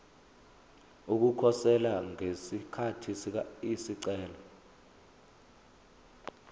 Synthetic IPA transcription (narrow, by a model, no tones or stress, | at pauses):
uk̬ukʰɔsɛlaŋesikʰatʰis̬isiǀɛːlɔ